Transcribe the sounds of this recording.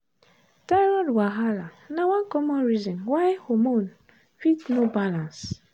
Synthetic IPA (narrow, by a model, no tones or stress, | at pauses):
d̥aɹɔdwaɦala | nawãnkɔmɔ̃nɹizɔ̃nwajhomõn | fitnobalãns